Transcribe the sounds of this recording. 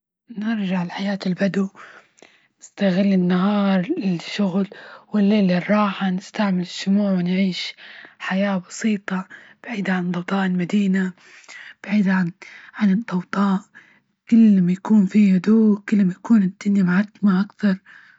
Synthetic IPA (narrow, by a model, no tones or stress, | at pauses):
nɪɾʒaʕɪlħajaːt̪ɪlbad̪u | nɪst̪aɣɪlːɪnːaɦɑːɾˤɪʃːʊɣlwɪlːeːlɪrˤːɑːħanɪst̪aʕmɪlɪʃːʊmuːʕwɪnʕiːʃħajaːbɑsiːt̪ˤɑb̥aʕiːd̪ʕant̪ˤːɑwt̪ˤɑːʔɪlmad̪iːna | b̥aʕiːd̪ʕanʕanɨd̪ˤːɑwt̪ˤɑːʔ | kɪlːmajakuːnfihʊd̪uːkɪlːmajakuːnɪd̪̥ːɪnjamaʕat̪maʔakθɑɾˤ